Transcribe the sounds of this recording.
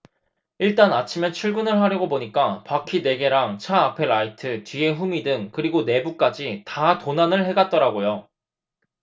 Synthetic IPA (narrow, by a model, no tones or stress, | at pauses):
iɭt͈anat͡ɕʰime̞t͡ɕʰuɭɡɯnɯɭɦaɾjʌɡoboɲik͈apakʰine̞ɡe̞ɾaŋt͡ɕʰaapʰeɾaitʰɯtie̞ɸumidɯŋkɯɾiɡone̞buk͈ad͡ʑitatonanɯɭɦe̞ɡat̚t͈ʌɾaɡojo